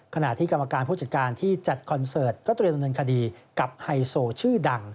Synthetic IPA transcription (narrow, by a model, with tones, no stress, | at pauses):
kʰa˧na˨˩t̪ʰiː˥˩ka˧mːa˧kaː˧npʰuː˥˩t͡ɕa˨˩t̪̚kaː˧nt̪ʰiː˥˩t͡ɕa˨˩t̪̚kʰɔ˧nsɤː˨˩t̪̚kɔː˥˩t̪ɾi˧nda˧nːɤː˧nkʰa˧diː˧ka˨˩p̚ha˧jsoː˧t͡ɕʰɯː˥˩da˧ŋ